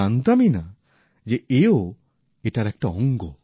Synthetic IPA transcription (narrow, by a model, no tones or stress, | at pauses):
and̪amina | d͡ʒeeo | eʈaɾɛk̚ʈaɔŋɡɔ